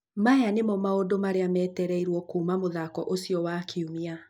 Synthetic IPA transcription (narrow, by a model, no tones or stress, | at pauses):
majanemɔmaodomaɾeamɛːtɛɾɛiɾwɔkuːmamoðakɔʔosiɔwakʰeumia